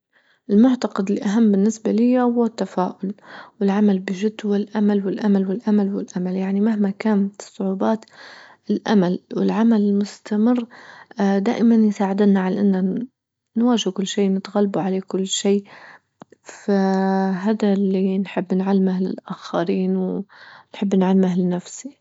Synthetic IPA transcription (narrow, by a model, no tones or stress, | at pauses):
ʔɪlmʊʕt̪ɑqɑd̪ɪlʔaɦamːbɪnːɪsbalɪjːahʊwːat̪ːafaːʔʊlwɪlʕamalbɪʒɪd̪wɪlʔamalwɪlʔamalwɪlʔamalwɪlʔamaljaʕnimahmakaːnsˤːʊʕuːbaːt̪ | ɪlʔamalwɪlʕamalɪlmʊst̪amɪrː | d̪a̰ːʔɪmanjsaːʕɪd̪ɪnaʕalaʔɪnːa | nwaːʒɪhkʊlːʃiːnɪt̪ɣalːbuʕaleːkʊlːʃiː | faɦaːd̪alːinħɪbːnʕalːmahlɪ̰lʔaxaɾiːnwnħɪbːnʕalːmahlɪnafsi